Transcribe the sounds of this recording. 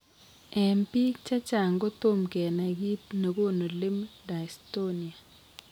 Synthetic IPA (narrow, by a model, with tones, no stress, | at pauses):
ɛ˨mpi˦kt͡ʃa˦t͡ʃa˨ŋɡo˦t̪o˦mkɛ˨na˨ɡi˦pno˨ɡo˦no˨lɪ˦mda˨i˨sto˦ni˨a˨